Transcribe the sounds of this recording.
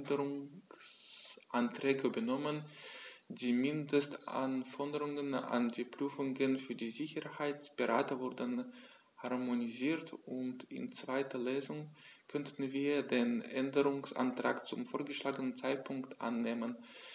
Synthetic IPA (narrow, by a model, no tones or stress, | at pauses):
dəʁʊŋsʔantʁ̥ɛːɡəbənɔmən | diːmɪndəstʔa̰nfɔdəʁʊŋəna̰ndiːpʁ̥yːfʊŋɡənfyːɐdiːzɪçəhaɪt͡sb̥əʁa̰ːtəvʊɐdən | haɐmoniziːɐtʊntɪ̰nt͡sv̥aɪtʰɐleːzʊŋkʰœntʰn̩viːɐdeːnʔɛndəʁʊŋsʔa̰ntʁ̥a̰ːkt͡sʊmfoːɐɡəʃlaːɡənənt͡saɪt̚pʰʊŋktʔa̰nːeːmən